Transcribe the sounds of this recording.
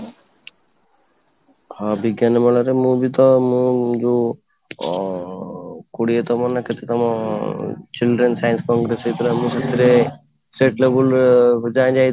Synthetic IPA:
habiɡjanemɔlaɾemũbit̪ɔmũd͡ʒo | koɽiet̪ɔmɔnaket̪ʰet̪ɔmɔ̃ | t͡ʃilɖɾensajnskɔŋɡɾeset̪ɾamũket̪ʰɾe | sʈeʈlebuld͡ʒajd͡ʒaj̪

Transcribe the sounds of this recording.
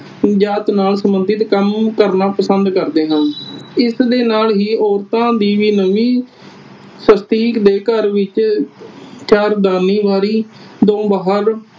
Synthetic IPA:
d͡ʒaːt̪naːlsəmbəd̪ɪt̪kəmkəɾnaːpəsənd̪kəɾd̪eːɦə̃nɪsd̪eːnaːlɦiːʔɔːɾt̪ãːd̪iːʋiːnəʋĩː | səst̪iːkd̪eːkəɾʋɪt͡ʃ | t͡ʃaːɾd̪aːniːʋaːɾiːd̪õːbaːɦəɾ

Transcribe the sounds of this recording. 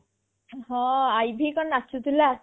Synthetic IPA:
hɔ̃ajbʱikɔnat͡ʃʰut̪ila

